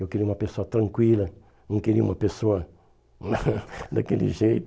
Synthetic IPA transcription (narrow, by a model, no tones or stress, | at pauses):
ewkeɾiũmɐpesoɐt̪ɾɐ̃ŋkwilɐ | nɐ̃keɾiṵ̃mɐpesoɐ | d̪ɐkelḭʒejt̪